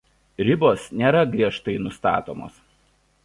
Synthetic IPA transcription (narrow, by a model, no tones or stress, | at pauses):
ɾʲɪboːsnʲeːɾɐɡɾʲiɛʃt̪ɐɪnʊst̪ɑ̰ːt̪o̰ːmo̰ːs